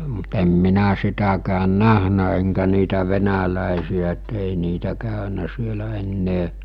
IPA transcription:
mut em minæ sitækæːn næhnæ eŋkæ niːtæ ʋenælæˑesiæ et ei niːtæ kæˑønæ sielæ enːeː

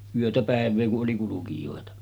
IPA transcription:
yøtæ pæˑeʋˑeː kuʔ ʔoli kulukijoˑetɑ

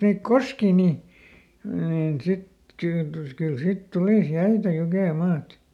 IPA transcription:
niːk koskiː niˑ niːn sit kyː kyl sit tuliˑs jæitæ jukeˑmɑːt

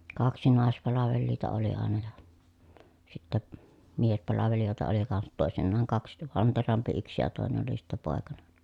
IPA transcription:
kɑksi nɑˑespɑlɑʋelːiːtɑ oli ɑˑenɑ jɑ sitːæ miespɑlɑʋelijoˑetɑ oli kɑnsɑt toˑesinːɑːŋ kɑks ʋɑnterɑmpi yks jɑ toˑenen oli sitːæ poˑekɑnen̞

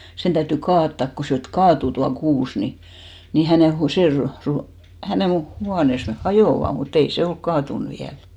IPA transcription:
sen tæytːy kɑːtːɑˑk ko se et kɑːtuˑ tuɑ kuːs ni ni hæneˑ hu se ru ru hæneˑn̞ huɑneˑs neh hɑjoˑʋɑ mut ei se olk kɑːtun ʋiæl

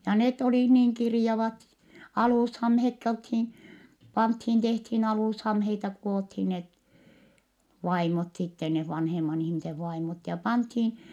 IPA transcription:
jɑ net olih niːŋ kirĭjɑʋɑt ɑluˑshɑmhekːi olthin pɑnthin tehthin ɑluˑshɑmheitɑ kuothin net ʋɑimot sitːe neh ʋɑnhemɑn ihmiseʋ ʋɑimot jɑ pɑnthin

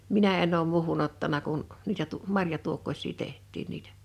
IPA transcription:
minæ enˑ oːm muːhun otːɑnɑ kun niːtæ tu mɑrjɑtuokːosʲˑiː tehtˑiːn niːtæ̥

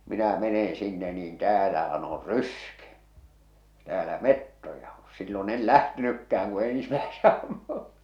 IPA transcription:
minæ menẽː sinːe niːn tæːlæhæn or ryske tæːlæ metːojɑ o silːon el læhtenykːæh̞æŋ ku ensĭmæese ɑmːu

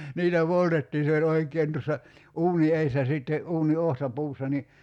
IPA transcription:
niːtæ poltetːiːn̞ se olʲ oikˑeːn tusːɑ uːni eisːæ siˑtːe uːni ohtɑpuːsːɑ ni

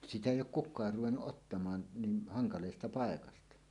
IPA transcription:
sitæ eˑijˑ oːk kukˑɑːr ruwenːuʔ ʔotːɑmɑːn niːn hɑŋkɑleːstɑ pɑekɑstɑ

